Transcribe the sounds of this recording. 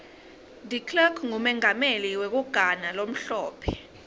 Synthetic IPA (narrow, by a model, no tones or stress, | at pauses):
dʱikʰlɛkʰŋumɛŋameliwek̬uɡ̥ʱanalom̩ɬɔːpʰɛ̥